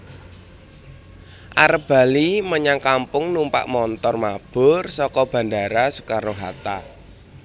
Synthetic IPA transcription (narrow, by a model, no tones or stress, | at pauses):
ʔa̰ɾəp̚b̥a̤liməɲaŋkampʊŋnumpa̰ʔmɔnt̪ɔrmab̥ʊ̤rsɔkɔb̥ä̤ndaɾasu̥kaɾoɦat̪a